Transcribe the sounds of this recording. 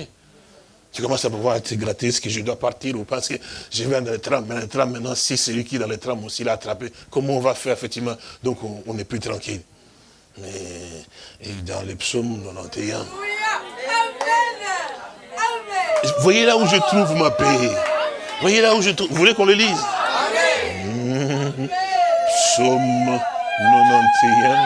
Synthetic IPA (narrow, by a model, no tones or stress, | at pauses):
ʒ̥əkɔmɑ̃sapuvwaʁɛt̪əɡʁat̪isə̥kəʒəd̪wapaʁt̪iʁupãsə̥kəʒəvɛ̃d̪ãlet̪ɾammɛd̪̃lɛt̪ɾammːɛ̃t̪nɑ̃sisɛlɥikʲiɛd̪ãlet̪ɾamosilaːt̪ɾapekɔm̃ɔ̃vafɛʁefɛk̚t̪ivmɑ̃d̪ɔ̃kɔ̃ɔ̃nɛplyt̪ʁɑ̃kil | mɛ | ed̪ã̰lepsomnovã̰t̪ʰeɛ̃ | vwajelauʒət̪ʁuvmape | vwajelauʒət̪uvulekɔ̃ləliz | psom | novãt̪ʰeɛ̃